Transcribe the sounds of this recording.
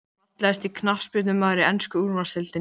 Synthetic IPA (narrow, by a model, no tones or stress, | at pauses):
t̪lɛst̪ikʰnafspɪt̪nʏmaðɾɪɛnskʏuɾmasɛlt̪ɪ